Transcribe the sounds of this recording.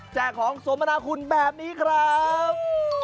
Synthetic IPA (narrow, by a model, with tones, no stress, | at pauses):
t͡ɕɛː˨˩kʰːɔː˩˦ŋso˩˦mːa˧naː˧˥kʰu˧nbɛː˨˩p̚niː˦˥kʰɾa˦˥p